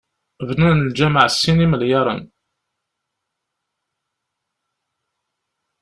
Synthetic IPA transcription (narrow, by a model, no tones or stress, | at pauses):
vnənəld͡ʒæməʕsːiniməljɑɾˤə̰n